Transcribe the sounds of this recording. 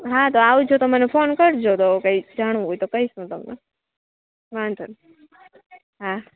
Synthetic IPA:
ɦãt̪oaʋud͡ʒʰot̪omənefʰonkəɾd͡ʒot̪okəid͡ʒaɽ̃ojt̪okəiʃõt̪əmnḛ | ʋant̪ʰən | ɦã

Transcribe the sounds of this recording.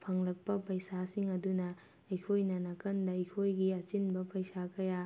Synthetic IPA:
pʰɐŋlɐk̚pɐpɐjsasiŋɐdunɐ | ɐjkʰojnɐnɐkɐndɐɐjkʰojɡiɐt͡ʃinbɐpɐjsakɐja

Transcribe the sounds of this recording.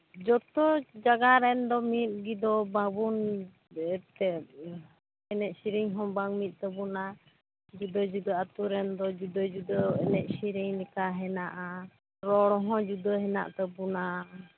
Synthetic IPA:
d͡ʒɔt̪ɔd͡ʒaɡaɾɛnd̪ɔmit̪̚ɡid̪ɔbaŋbun | ɛt̪ɛ | ɛnɛʔsiɾiɲɦɔ̃baŋmit̪̚ˀt̪əbuna | d͡ʒud̪əd͡ʒud̪əat̪uɾɛnd̪ɔd͡ʒud̪əd͡ʒud̪əɛnɛʔ̚siɾiɲnikaɦɛnaʔa | ɾɔɽɔɦɔ̃d͡ʒud̪əɦɛna̰ʔt̪ɛbuna

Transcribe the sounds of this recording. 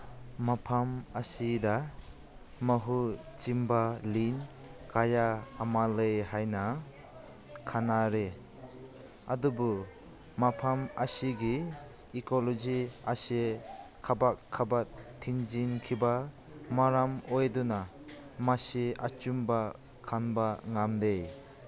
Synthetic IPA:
mapʰamasida | məɦu | t͡ʃimbalin | kajaːmaləjhajna | kʰanaɾe | adubu | mapʰamasiɡiː | kɔlɔd͡ʒiasekʰabakʰːabatʰːiŋd͡ʒinkʰiba | maɾamojd̪ɔna | maseat͡ʃumba | kʰanbaŋamdej

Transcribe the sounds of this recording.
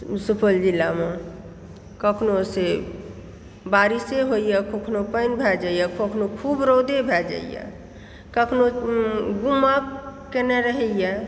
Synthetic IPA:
supʰəld͡ʒilːame | kəkʰnose | baɾiseɦojjakokʰnopəɪnbʱɛd͡ʒaijakʰokʰnokʰubɾɔd̪ebʱɛd͡ʒa̰ijɛ̰ | kəkʰnoɡumakeneɾəɦɛjɛ

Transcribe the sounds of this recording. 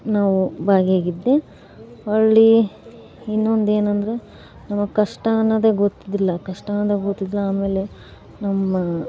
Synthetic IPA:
naːʋubaːɡɦeːɡid̪ːe | ɐɭɭi | inːond̪eːnɐnd̪ɐɾe̞ | nɐmːɐkɐʂʈanɐd̪eɡot̪ːid̪ilːɐkɐʂʈaːnɐd̪eɡot̪ːid̪ilːɐaːme̞ːle̞ | nɐmːɐ

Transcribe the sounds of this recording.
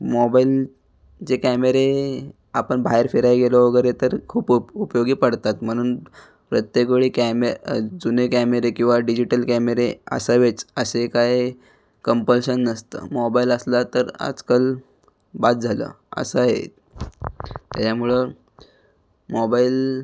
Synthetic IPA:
mɔbail | t͡ɕekæmeɾe | apəɳbʱajeɾfeɾajɡelɔʋəɡəɾet̪əɾkʰuːpupjoɡiːpəɽt̪at̪m̤əɽ̃uːn | pɾət̪jək̬ɭiːkæmed͡zunekæmeɾekĩw̃ʋaɖid͡ʑiʈəlkæmeɾeə̰səʋet͡səsekaj | kəmpəlɕənːəst̪ə̰mɔbailəslat̪əɾa̰d͡zkəl | bat̪̚d͡zʱalə̰ː | ə̰səaɦḛ | t̪jat͡ɕʰamuɭe | mɔbail

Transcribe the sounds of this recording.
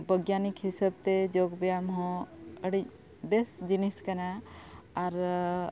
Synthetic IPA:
bəɡjanikɦisəb̚t̪ed͡ʒoɡbɛjamɦɔ̃əɽi | besd͡ʒiniskanaː | ɾ

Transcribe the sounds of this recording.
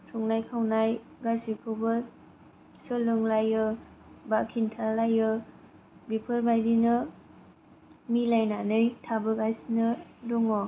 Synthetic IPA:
suŋnajkʰawnaj | ɡasikʰɯwbʌ | sɯlɯŋlajɯbakʰintʰalajɯ | bipʰɯɾbajdinɯ | milajnanɯjtʰabɯɡajsnɯdɔŋɔ

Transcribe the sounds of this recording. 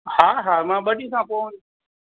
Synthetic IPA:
haːɦaːmãːɓəɗiːsãːpoːũn

